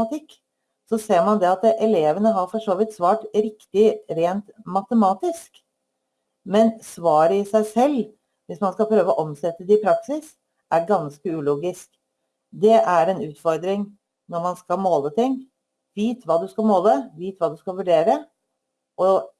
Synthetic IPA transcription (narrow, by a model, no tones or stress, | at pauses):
ɑt̪ʰɪkː | sɔseːɾmɑnd̪ɛɑt̪ʔɛleːʋənəɦɑɾfɔʂoːʋɪt̪sʋɑːʈɾɪkt̪ɪɾeːnt̪mɑt̪əmɑːt̪ɪsk | mɛnsʋɑːɾəɪsæɪsɛlː | ʋɪsmɑnskɑlpʰɾøːʋəɔʔɔmsɛt̪ːəd̪ɛɪpʰɾɑksɪs | ʔæɾɡɑnskəʉːluːɡɪsk | d̪ɛʔæɾɛnʉːt̪fɔɾd̪ɾɪŋ | nɔɾmɑnskɑlmoːlət̪ɪŋː | ʋiːt̪ʋɑːd̪ʉskɑlmoːləʋiːt̪ʋɑːd̪ʉskɑʋʉɖeːɾə | ʔɔ